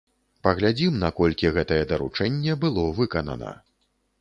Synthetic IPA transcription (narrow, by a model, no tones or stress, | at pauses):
pɐɣlʲad͡zʲimnɐkɔlʲkʲiɣɛt̪ɐjɛd̪ɐɾṵt͡ʂɛnʲːɛbɨlˠɔvɨkɐnɐ̰nɐ̰